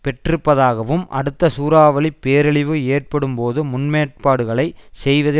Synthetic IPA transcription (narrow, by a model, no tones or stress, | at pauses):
pɛʈrɯpːɐðaːɣɐʋɯmʔɐ̰ɽɯt̪ːɐsuːɾaːʋɐɭɪpːeːɾɐɭɪʋɯeːʈ̚pɐɽɯmpoːðɯmʊnmeːʈ̚paːɽɯɣɐɭɐɪsɛjʋɐðɪ